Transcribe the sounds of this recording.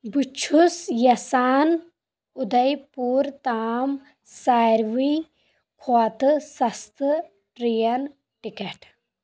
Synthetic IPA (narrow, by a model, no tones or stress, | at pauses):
but͡ʃʰusjɐsaːn | ud̪ɐjpuːɾt̪aːm | saːɾʋi | kʰoat̪ɨsɐst̪ɨ | ʈɾijɐn | ʈikɐʈ